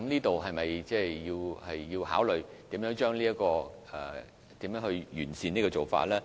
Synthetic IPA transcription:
mniː˥t̪o˨wɦɐ˨jmɐ˨jt͡sɛː˥˩iː˧whɐ˨jːi˧wha̰ː˨˥wlɵ˨ɥt̪iː˨˥mjœː˨˥ŋt͡ʃœː˥ŋliː˥ɐ˥kɔː˧ | ɛ˨˩ | t̪iː˨˥mjœː˧˥ŋhɵ˧ɥjyː˨˩nsiː˨˧niː˥kɔː˧t͡so˨˩wfa̰ː˧t̚lɛː˥

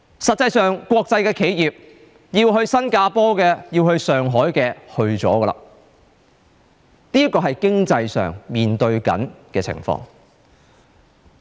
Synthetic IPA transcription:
sɐ˨t̚t͡sːɐ˧jsœː˨ŋkʷɔː˧k̚t͡sɐ˧jkɛː˧kʰe˨˥jjiː˨p̚ | jiː˧wɦɵ˧ɥsɐ˥nkaː˧pɔː˥kɛː˧jiː˧whɵ˧ɥsœː˨ŋɦɔː˨˥jkɛː˧hɵ˧ɥt͡sɔ̰ː˨˥kə˧lɐ̰˧ | niː˥jɐ˥kːɔː˧ɦɐ˨jkɪ˥ŋt͡sɐ˧jsœ̰ː˨ŋmiː˨˩nt̪ɵ˧ɥkɐ̰˨˥nkɛː˧t͡sʰɪ̰˨˩ŋfɔ̰ː˧ŋ

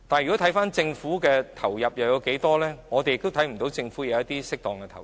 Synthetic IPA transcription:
t̪aː˨njɥy˨kɔ˨˥t̪ʰɐ˨˥jfaː˥nt͡sɪ˧ŋfuː˨˥kɛː˧t̪ʰɐ˨˩wjɐ˨p̚jɐ˨wjɐ˧wke˨˥jt̪ɔː˥lɛː˥ŋɔː˨˧t̪e˨jɪ˨k̚t̪o˥t̪ʰɐ˨˥jm̩˨˩t̪o˨˥wt͡sɪ˧ŋfuː˨˥jɐ˨˧wɐ˥t̪̚iː˥sɪ˥k̚t̪ɔː˨ŋkɛ˧t̪ʰɐ˨˩

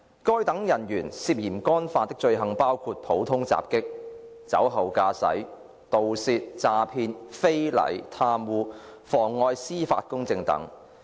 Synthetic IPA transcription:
kɔː˥jt̪ɐ˨˥ŋjɐ˨˩njyː˨˩nsiː˧p̚jiː˨˩mkɔː˥nfaː˧t̪ɪ˥k̚t͡ʃɵ˧ɥɦɐ˨ŋpaː˥wkʰuː˧t̚pʰo˨˥wt̪ʰʊ˥ŋt͡sa̰ː˨p̚kɪ˥k̚ | t͡sɐ̰˨˥wɦɐ˨wkaː˧sɐ̰˨˥j | t̪o˨wsiː˧t̚t͡saː˨˧pʰiː˧nfe˥jlɐ̰˨˩jt̪ʰaː˧mwuː˧fɔː˨˩ŋːɔː˧jsiː˥fa̰ː˧t̚kʊ˥ŋt͡sɪ˧ŋt̪ɐ̰˨˥ŋ

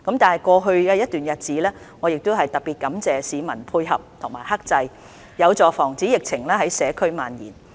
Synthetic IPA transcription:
kɐ˨˧˥mt̪aː˨˩nɦɐ˨˩jkʷɔː˧ɦɵ˧ɥɡɛː˧jɐ˥t̚t̪yː˨njɐ˨t̚t͡siː˨˥lɛː˥ | ŋɔː˨˧jɪ˨k̚t̪ʊ˥wɦɐ˨jt̪ɐ˨t̚piː˨t̚kɐ˨˥mt͡sɛː˨siː˨˧mɐ˨˩npʰuː˧jɦɐ̰˨p̚t̪ʰʊ˨˩ŋmaː˨˩jɦɐ˥k̚t͡sɐ˧j | jɐ˨˧wt͡sɔː˨fɔː˨˩ŋt͡siː˨˥jɪ˨k̚t͡sʰɪ˨˩ŋlɛː˥hɐ˨˥jsɛː˨˧kʰɵ˥ɥmaː˨njḭː˨˩n

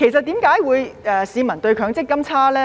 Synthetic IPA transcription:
kʰe˨˩js̬ɐ˨t̪̚iː˨˥mkaː˨˥jwuː˨˧jɛː˨˩siː˨˧mɐ˨˩nt̪ɵ˧ɥkʰœː˨˥ŋt͡sɪ˥kːɐ˥mt͡sʰaː˥lɛː˥

